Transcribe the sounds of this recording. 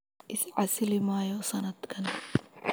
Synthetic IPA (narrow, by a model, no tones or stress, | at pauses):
ʔɪsʕasɪlɪmaːjɔsɐnɐd̪kʰɐn